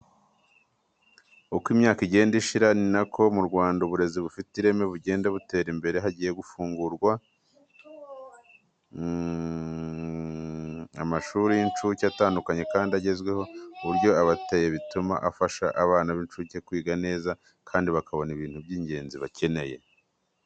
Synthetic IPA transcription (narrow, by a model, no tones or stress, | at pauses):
ukwimɲaːkiɟe̞ːndiʃiɾaninakʰo̞muɾɡwaːndauβuɾe̞ziβufitiɾe̞me̞βuɟe̞ːndeβute̞ːɾimbe̞ɾe̞ɦaɟiːje̞ɡufuːŋɡuɾɡwa | a̰maʃuːɾijint͡ʃuceataːndukaɲe̞kaːndiaɟe̞zɡwe̞ho̞uβuɾɟo̞aβatejeβituma̰ʔafaʃaʔaβaːnaβint͡ʃucekwiːɡane̞ːza | kʰaːndiβakʰaβo̞niβiːn̥hubɟiːɲɟe̞ːnziβacʰe̞ne̞je̞̰